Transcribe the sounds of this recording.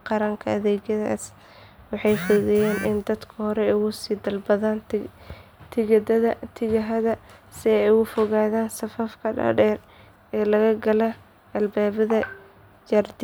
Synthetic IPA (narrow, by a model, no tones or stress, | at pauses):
qɑɾɐŋkʰɐɐðɛːɣjɐða̰ːs | wɑħɑjfɪðɪjaːnʔɪ̰nd̪ɐd̪kʰɐhɔɾɛjɣʊsiːd̪ɐlbɐðaːn | t̪ʰɪɣɐd̪ɐðɐt̪ʰɪɣɐɦɐðɐsɪɛjʊfɔɣaːðaːnsɐfɐfkʰɐɖɐ̰ɖɛːr | ɛːlɐɣɐɡɐlɐ | ʔɐlbaːβɐðɐ | d͡ʒɐrd̪